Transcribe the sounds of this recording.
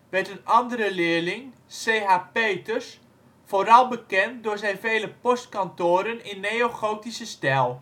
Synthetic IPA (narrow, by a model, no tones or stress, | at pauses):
ʋɛtənɑndəɾəlɪəlɪŋseːɦapeːtərs | foːɾɑlˠbəkɛnt̚dʊːɹzɛjnvejləpɔstkantoːɾənɪnːejoχowtisəstɛlˠ